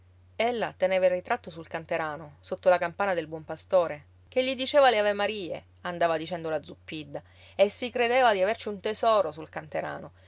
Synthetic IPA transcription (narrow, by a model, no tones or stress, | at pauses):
elːat̪eneːvairːit̪ɾat̪ːosulkant̪eɾaːnosot̪ːolakampaːnad̪elbwɔmpast̪oːɾe | k̟eʎːid̪it͡ʃeːvaleavemaɾiːḛ | and̪aːvad̪it͡ʃɛnd̪olad̪zupːid̪ːa | esːikɾed̪eːvad̪iavert͡ʃiunt̪esɔːɾosulkant̪eɾa̰ːno